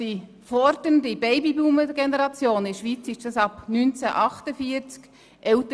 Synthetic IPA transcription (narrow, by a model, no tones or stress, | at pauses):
d̥i | fɔɾdəndibɛɪbibluːməɡ̥enəɾɑt͡sjoːnɪʃʋit͡sɪʃdɑsɑpnynt͡sæʔɑχtəfiːəɾt͡sk | ʔɛlt